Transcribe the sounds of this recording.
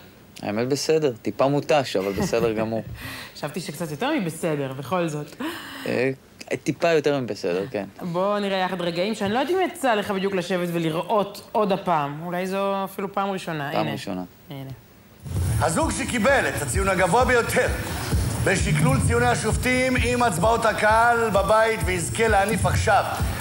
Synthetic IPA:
a̰emet̪̚besedeʁt̪ipamut̪aʃavalbesedeʁɡamuʁḁʃavt̪iʃekt͡sat̪jo̞t̪e̞ʁmibese̞de̞ʁbeχo̞lzo̞t̪ | t̪ipajo̞t̪eʁmibesḛde̞ʁke̞nbo̞niʁejaχad̪ʁeɡaimʃeanilojd̪imat͡saleχabid̪juklaʃe̞vet̪veliʁʔo̞to̞dapaːmulajzoafilupaːmʁiʃo̞naa̰ːnmeʁiʃo̰na̰ | ine | hazuɡʃekibe̞let̪at͡sijunaɡavoabejo̞t̪ʰe̞ʁbeʃiklult͡sijuneaʃoft̪imimat͡sbaot̪hakalbabait̪veizkeleanifaχʃav

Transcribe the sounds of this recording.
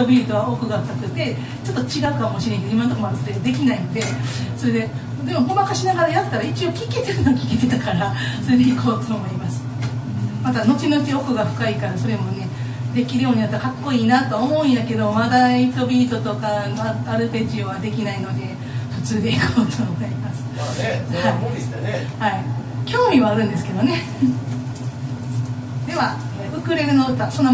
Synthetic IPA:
t̪obʲiːt̪o̞βao̞kɯ̟ɡak̪ːakɯ̟t̪ːe̞ | t͡ɕo̞t̪ːo̞t͡ɕiɡaɯ̟kamo̞ɕiɾe̞ŋkeoimãnt̪okomoaɾasoɾed̪ed̪e̞kʲinainod̪e̞so̞ɾe̞d̪e̞ | d̪e̞mo̞momakaɕinaɡaɾajat̪ɯ̥t̪aɾait͡ɕio̞kʲiket̪eɾɯ̟nokʲi̥ket̪e̞t̪akaɾaso̞ɾe̞d̪eikʰo̞ːt̪o̥omaimasɨ̥ | mat̪ano̞kinot̪ʲeokɯ̟ɡaɸɯ̟̥kaikaɾaso̞ɾe̞mo̞ne̞ | d̪e̞kʲiɾɯ̟jo̞ːɲ̟inat̪ːkakːo̞iːnat̪o̞βaomo̞ĩjake̞d̪o̞mad̪ait̪o̞bʲiːt̪o̞t̪o̞kanoaɾɯ̟pe̞t͡ɕiβad̪e̞kʲinaino̞d̪e̞ | ɸɯ̟t͡sɨːd̪e̞ikʰoːt̪ʰoːɡaɾʲimasɨ̥hai | haikʲo̞ːmʲiβaːɾɯ̟̃nd̪e̞sɨ̥ke̞d̪o̞ne̞ | d̪e̞βa | ɯ̟kɯ̟ɾe̞ɾɯ̟noɯ̟t̪asõ̞nːa

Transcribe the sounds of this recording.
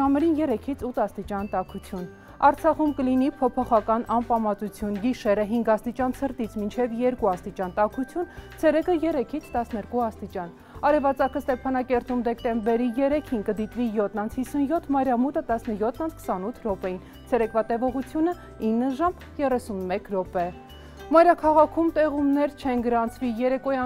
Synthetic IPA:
ɑmɛɾinjɛɾɛkʰit͡sʰut̪ʰɑst̪it͡ʃɑnt̪ɑkʰut͡sʰjun | ɑɾt͡sʰɑχumkəlinipʰɔpʰɔχɑkɑnɑmpɑmɑt͡sut͡sʰjunɡiʃɛɾəɦiŋɡɑst̪it͡ʃɑnsʰəɾt̪it͡sʰmint͡ʃʰɛvjɛɾkuɑst̪it͡ʃɑnt̪ɑkʰut͡sʰjunt͡sʰɛɾɛkəjɛɾɛkʰit͡sʰt̪ɑsnɛɾkuɑst̪it͡ʃɑn | ɑɾɛvɑt͡sɑkʰəst̪ɛpʰɑnɑkɛɾt̪umd̪ɛkt̪ɛmbɛɾijɛɾɛkʰinkəd̪it̪vijɔt̪ʰnɑnt͡sʰhisunjɔt̪ʰmɑjɾɑmut̪ət̪ɑsnəjɔt̪ʰnɑnt͡sʰkʰə̥sɑnut̪ʰɾɔpɛjin | t͡sʰɛɾɛkvɑt̪ɛvɔʁut͡sʰjunə | inːəʒɑm | jɛrɛsunmɛkʰɾɔpɛ | mɑjɾɑkʰɑʁɑkʰumt̪ɛʁumnɛɾt͡ʃʰɛnɡəɾɑnt͡sʰvijɛɾɛkɔjɑ

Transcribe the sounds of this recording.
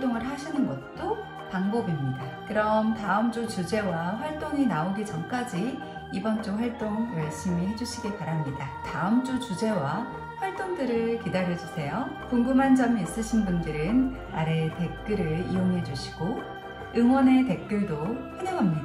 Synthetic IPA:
t͈oŋɯɭhaɕʰinɯnɡʌt̚t͈o | paŋbʌbimɲidakɯɾʌmtaɯmt͡ɕ͈ut͡ɕud͡ʑe̞waɸwaɭt͈oŋinaoɡit͡ɕʌmk͈ad͡ʑiː | bʌnt͡ɕ͈oɸwaɭt͈oŋmaɭs͈ɯmiɦe̞d͡ʑuɕʰiɡipaɾamɲidataɯmt͡ɕ͈ut͡ɕud͡ʑe̞wa | ɸwaɭt͈oŋdɯɾɯɭkidaɾjʌd͡ʑusʰe̞jo | koŋɡɯmɦand͡ʑʌmiːs͈ɯɕʰinbundɯɾɯn | aɾe̞te̞k̚k͈ɯɾɯɭḭjoŋɦe̞d͡ʑuɕʰi̥ɡ̥o | ɯŋwʌne̞te̞k̚k͈jɯɭdoheneŋɦamɲida

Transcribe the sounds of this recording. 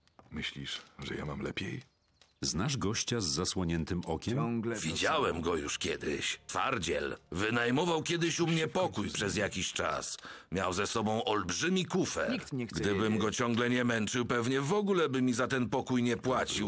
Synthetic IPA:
mɘɕlʲiʂʐɛ̰ja̰mamlɛpʲjej | znaʐɡɔɕt͡ɕazːaswɔɲɛnt̪ɘmɔkʲɛmvʲid͡ʑawɛmɡɔjuʂkʲjɛd̪ɪ̰ɕt̪fa̰ɾd͡ʑɛ̰lvɘnajmɔvawkʲjɛd̪ɘɕumɲɛpɔkujpʂɛzjakʲiɕt͡ʂa̰smʲjawzɛsɔbɔ̃w̃ʔɔlbʐɘmʲikufɛ̰t̪ɡd̪ɘbɘmɡɔt͡ɕɔŋɡlɛɲɛmɛnt͡ʂɘwpɛvɲɛvɔɡulɛbɘmʲizat̪ɛnpɔkujɲɛpwat͡ɕiw

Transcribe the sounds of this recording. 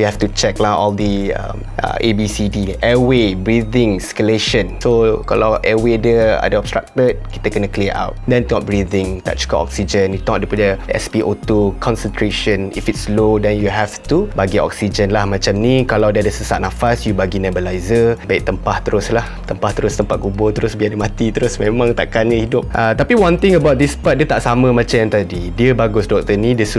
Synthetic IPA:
juhɛft̪ut͡ʃɛk̚lahɔ̰ldiə̰m | ʔə̰ʔebisidiɛwebɹidɪ̃ŋskəleʃə̃nsoka̰lawʔɛwedəa̰dəɔb̚st̪ɾa̰k̚t̪ət̚kit̪əkənəkliʔa̰wt̚dɛ̃ntnɔt̚bɹidɪ̃ŋt̪a̰ʔt͡ʃkɔʔɔ̰k̚sid͡ʒə̃njut̪ɔ̃dipadəɛ̰spiʔot̪ukʰɔ̃nsə̃nt̪ɾeʃə̃nḭfitslodɛnjuɦɛft̪ubaɡiɔ̰k̚sid͡ʒənlahmãt͡ʃamnĩkalawdiadəsəsaʔ̚nafasjubaɡinɛ̃bəlajzəbaɪk̚t̪əmpaht̪əɾʊslaht̪əmpaht̪əɾʊst̪əmpat̪̚kubʊt̪əɾʊsbiadəmat̪it̪əɾʊsmẽmãŋt̪a̰ʔkanɲə̃hidʊp̚ʔət̪apiwãnt̪ɪ̃ŋəbawt̚dispat̚diət̪aʔsamə̃mãt͡ʃajãnt̪adidiəbaɡʊsdɔk̚t̪ənĩdəs

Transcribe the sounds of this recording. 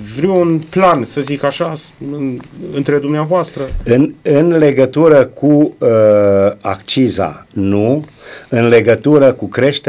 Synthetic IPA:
vɾiwunplansəzikaʃa | ɨɨnt̪ɾe̞d̪umneavoast̪ɾəɨnɨnle̞ɡət̪uɾəkʰuə | a̰kt͡ʃiza̰nu | ɨnle̞ɡət̪uɾəkukɾe̞ʃt̪e

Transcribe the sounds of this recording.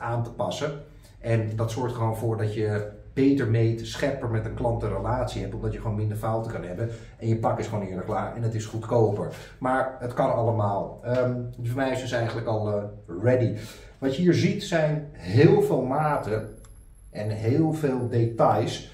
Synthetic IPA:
aːntə̥pɑsə | ʔɛndɑtsɔɹktχəʋoːnvʊːɹdɑtjə | b̥ejtəɹmejtsχɛpəɹmɛtənklɑntərəlaːtsiɦɛp̚tɔmdɑtjəχəʋownmɪndəɹfawtəkɑnɦɛbən | ɛnjəpɑkɪsχʋoːnɪːɹləklaːɹɛ̰nətɪsχutkowpəɹ | maːɹətkɑnɑlˠəmaːlˠəmfɔmɛjɪsəsɛjχənləkɑlˠrɛdi | ʋɑtjəɦiːɹzitsɛjnɦɪːlˠvɪːlˠmaːtə | ʔɛnɦɪːlˠveːlˠdetɑjs

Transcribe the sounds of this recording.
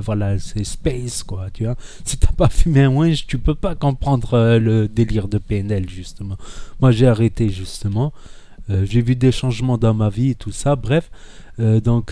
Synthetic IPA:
vwalasɛspɛskwat̪yvasit̪yapafymeɛ̃mwɛ̃ʒt̪ypøpakɔ̃pχɑ̃d̪ʁøləd̪eliʁd̪əpeɛnɛlʒyst̪əmɑ̃mwaʒeaʁet̪eʒyst̪əmɑ̃ | øʒevyd̪eʃɑ̃ʒmɑ̃d̪ɑ̃maviet̪usabʁɛfød̪ɔ̃k

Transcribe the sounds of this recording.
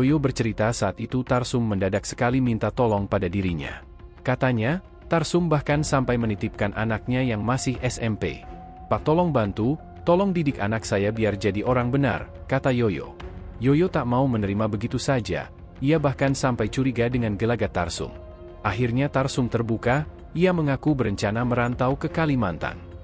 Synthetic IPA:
jojobərt͡ʃəɾit̪asaːt̪it̪ut̪arsʊmːəndadak̚sə̥kalimint̪at̪ɔlɔŋpadadiɾiɲa̰ | kat̪aɲa | t̪arsʊmbahkansampajmənit̪ɪp̚kanʔa̰nak̚ɲajaŋmasɪhɛsɛmpḛ | pat̪ɔlɔŋbant̪u | t̪ɔlɔŋdidɪkanaksajabiard͡ʒadiʔoɾaŋbəna̰rkat̪ajojo̰jojot̪aʔmaumənəɾimabəɡit̪usad͡ʒa̰ | iabahkansampajt͡ʃuɾiɡadəŋanɡəlaɡat̪a̰rsʊ̰m | ʔaɦirɲat̪arsumt̪ərbuka | iaməŋakubəɾəɲt͡ʃanaməɾant̪awkəkalimant̪a̰n

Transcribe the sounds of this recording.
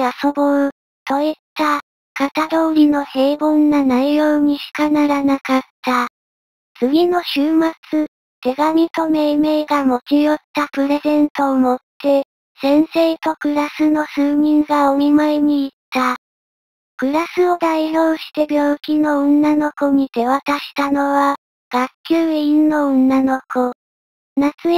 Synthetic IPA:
aso̞bo | t̪o̞it̪ːa | kat̪ad̪o̞ːɾʲino̞he̞ːbõ̞nːanaijo̞ːɲ̟iɕi̥kanaɾanakat̪ːa | t͡sɨɡʲino̞ɕɨːmat͡sɨ | t̪e̞ɡamʲit̪o̞me̞ːme̞ːɡamo̞kʲijo̞t̪ːapɯ̟ɾe̞zẽ̞nt̪o̞ːmo̞t̪ːe̞ | sẽ̞ɰ̃se̞ːt̪o̞kɯ̟ɾasɨno̞sɨːɲʲĩŋɡaomʲimaeɲ̟iːt̪ːa | kɯ̟ɾasɨo̞d̪aiço̞ːɕi̥t̪e̞bʲjo̞ːkʲino̞õnːano̞ko̞ɲ̟it̪e̞βat̪aɕi̥t̪ano̞βa | ɡ̥akʲːɨːinnːo̞õnːano̞ko̞ | nat͡sɨ

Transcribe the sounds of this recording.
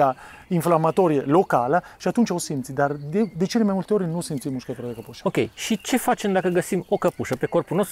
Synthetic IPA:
a | iɱflamat̪ɔɾjelokaːlaʃiat̪ːunt͡ʃaosent̪sid̪ad̪ed̪et͡ʃinemajmult̪eoːɾenosenimuʃkakɾad̪ekapuʃḁokḛjʃit͡ʃefat͡ʃemd̪akəɡəsimokapuʃapekorpunost̪

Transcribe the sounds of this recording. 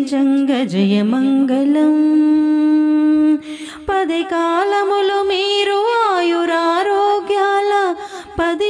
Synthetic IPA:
t͡ʃɐŋɡɐd͡ʒɐjɐmɐŋɡɐlɐm | pɐd̪ekaːlɐmulumiːɾuaːjuɾaːɾoːɡjaːlɐpɐd̪i

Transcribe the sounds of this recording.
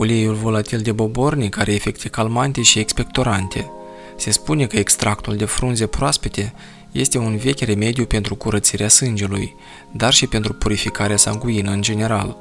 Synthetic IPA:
oliejulvo̞lat̪ild̪e̞bo̞bo̞rnikaɾeːfe̞kt̪ekalmant̪e̞ʃie̞kspe̞k̚t̪o̞ɾant̪ʰe̞ | se̞spune̞kəekst̪ɾakt̪uld̪e̞fɾunze̞pɾoaspet̪e̞ | je̞st̪e̞unve̞kʲre̞me̞d̪jupe̞nt̪ɾukuɾət̪siɾeasɨnd͡ʒe̞luj | d̪arʃipe̞nt̪ɾupuɾifikaɾeasa̰ŋɡuinəɨnd͡ʒe̞ne̞ɾa̰l

